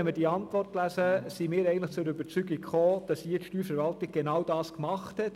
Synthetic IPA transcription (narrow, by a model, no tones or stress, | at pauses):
ɛnməɾd̥iəɑntvʋɔrtlæsəsimɪːɾɛɪɡəntləχt͡sʊɾybəɾt͡syɡɪkχoːd̥ɑsiətʃtyːɾfəɾʋɑltɪɡ̚ɡ̥enɑwdɑːskmɑχthɛt